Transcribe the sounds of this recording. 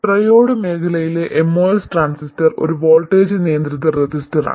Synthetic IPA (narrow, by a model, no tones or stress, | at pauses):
rɐjo̞ːɽɨme̞ːkʰɐlɐjileʔemːoːesʈraːnsistɐro̞̰ɾuʋo̞ːlʈːeːd͡ʑɨnijɐnd̪ɾit̪ːɐred͡ʑistɐra̰ː